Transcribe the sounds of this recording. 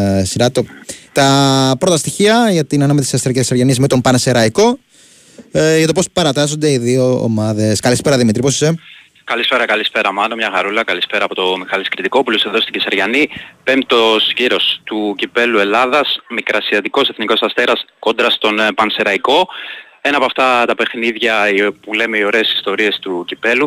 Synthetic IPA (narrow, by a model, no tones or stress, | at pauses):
sinɐt̪ot̪ɐpɾo̞t̪ɐst̪içiɐʝɐt̪inɐnɐmet̪isɐst̪eɾcesɐɾʝɐnizmet̪o̞mpɐnseɾɐiko̞ | ʝɐt̪opospɐɾɐt̪ɐzond̪eiðio̞̰ːmɐðe̞skɐlispe̞ɾɐðimit̪ɾipo̞si̥se | kɐlispe̞ɾɐkɐlispe̞ɾɐmɐnomɲɐɣɐɾulɐkɐlispe̞ɾɐːpo̞t̪o̞mixɐliskɾit̪iko̞puloseðo̞st̪icisɐɾʝɐnipe̞mt̪osʝiɾo̞st̪ucipe̞lue̞lɐðɐsmikɾɐsiɐt̪iko̞seθniko̞sɐst̪e̞ɾɐsko̞nd̪ɾɐst̪o̞npɐnse̞ɾɐiko̞ | e̞nɐpoɐft̪ɐt̪ɐpe̞xniðʝɐpule̞meio̞ɾe̞ːsi̥st̪o̞ɾie̞st̪ucipe̞lu